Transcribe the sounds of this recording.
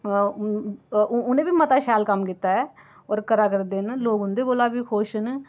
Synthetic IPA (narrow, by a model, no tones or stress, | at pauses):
ʊnẽːbiːmət̪aːʃaːlkəmkit̪ːaːɛː | ɔːɾkəɾaːkəɾd̪enloːɡɦʊnd̪eːɡoːlaːbiːkʰoːʃən